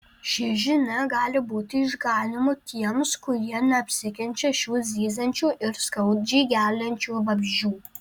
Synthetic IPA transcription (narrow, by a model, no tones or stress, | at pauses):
ʃɪʒʲɪnɐɡɑːlʲɪbuːt̪ʲɪɪʒɡɑːnʲɪmʊt̪ʲʰiɛmskʊɾiɛnɐɐpʲsʲɪkʲɛnʲt͡ʃʲɛʃʲuːzʲiːzɐnʲt͡ʃʲuːʔɪrskɐʊt̚d͡ʒiːɡʲæːlʲɐnʲt͡ʃʲuːbɐbʲʒʲuː